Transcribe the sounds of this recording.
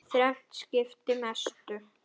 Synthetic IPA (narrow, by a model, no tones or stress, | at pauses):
θɾɛht̪scɪft̪ɪmɛst̪ʏ